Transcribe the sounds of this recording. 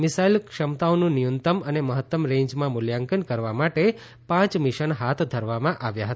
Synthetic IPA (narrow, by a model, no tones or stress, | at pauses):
mɪsailkʃəmt̪aonũnɪjənt̪əməneməɦət̪ːəmɾẽɲd͡ʒmãmʊljaŋkənkəɾʋamaʈe | pãt͡ʃmɪʃənɦat̪ʰd̪ʱəɾʋamãʔaʋjaɦət̪a